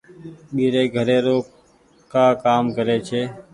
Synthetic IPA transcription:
ɓiːɾeːɡʱəɾeːɾoːk | kaːkaːmkəɾeːt͡ʃʰeː

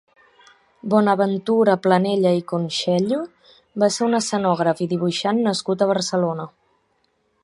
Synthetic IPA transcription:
bɔnəβənt̪uɾəpləneʎəikunʃɛʎu | baseunəsənɔɣ̞ɾəfiðiβ̞uʃanːəskut̪əβ̞əɾsəlonə

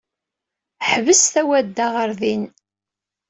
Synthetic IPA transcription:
ħvəsθæwæd̪ːaʁəɾðin

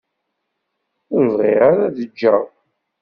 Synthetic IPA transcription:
ʊɾvʁiʁaɾæðəd͡ʒːæ

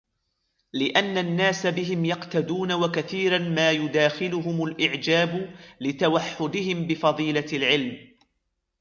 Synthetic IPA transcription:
lɪʔanːanːaːsabɪɦɪmjɑqt̪ad̪uːnawakaθiːɾanmaːjʊd̪aːxɪlʊɦʊmʊlʔɪʕd͡ʒaːblɪt̪awaħːʊd̪ɪhɪmbɪfɑðˤiːlalʕɪlm

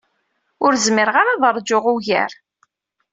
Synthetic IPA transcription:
ʊɾzməɾʁaɾaðˤəɾˤd͡ʒoʁuʝæ̰ɾ

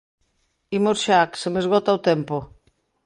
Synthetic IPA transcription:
imosʃaksemezɣɔt̪aot̪ɛmpo

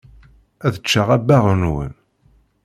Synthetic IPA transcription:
æðət͡ʃːaʁæbæʁənwə̰n

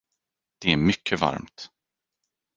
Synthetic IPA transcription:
d̪̥ɛæɾmʏkʰːəva̰ɾmt̪

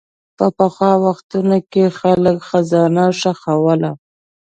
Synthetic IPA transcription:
pəpaxwɑwaxt̪unokexaləkxazɑnaʂaxawəla

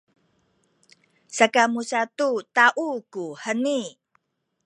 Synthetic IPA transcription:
sakamusatutaʔukuhəni

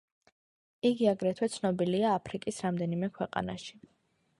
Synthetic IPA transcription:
iɡiaɡɾɛt̪ʰwɛt̪sʰnɔbiliaːpʰɾikʼisɾamd̪ɛnimɛkʰwɛqʼa̰na̰ʃi̥

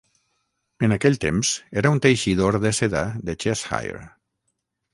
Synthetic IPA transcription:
ənakɛʎt̪emz̥eɾaunt̪ejʃiðoɾðəseðaðət͡ʃesha̰jḛɾ

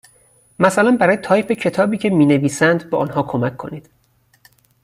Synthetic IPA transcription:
mæsælænbæɾɒːjet̪ʰɒːjpecʰe̞t̪ʰɒːbiːcʰe̞miːneviːsænd̪bɒːʔːnɦɒːkʰomækʰːo̞niːd̪̥

